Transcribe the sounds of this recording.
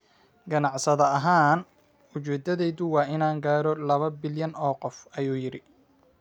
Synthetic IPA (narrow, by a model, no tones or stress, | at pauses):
ɡɐnɑʕsɐðɐɐɦaːn | ʊt͡ʃɛːd̪ɐðɛjðʊwɑːʔɪnaːŋɡaːɾɔlɐβɐbɪljɐnɔːqɔfɐjuːjɪɾɪ